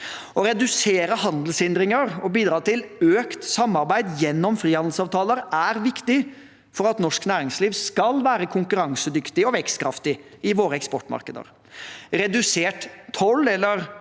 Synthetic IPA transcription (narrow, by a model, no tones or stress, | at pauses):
ɔɾɛd̪ʉseːɾəhɑnd̪l̩sɪnd̪ɾɪŋəɾɔbiːd̪ɾɑːt̪ɪløːkt̪sɑmːɑɾbæɪd̪jɛnːɔmfɾiːhɑnd̪l̩sɑːʋt̪ʰɑːləɾæɾʋɪkt̪ɪ | fɔɾɑt̪nɔʂknæːɾɪŋsliːʋskɑlʋæːɾəkʰʊŋkʉɾɑŋsəd̪ʏkt̪ɪɔʋɛkst̪kʰɾɑft̪ɪɪʋoːɾəɛkspɔʈmɑ̰ɾkəd̪ə̰ɾ | ɾɛd̪ʉseːʈt̪ʰɔlɛlːəɾ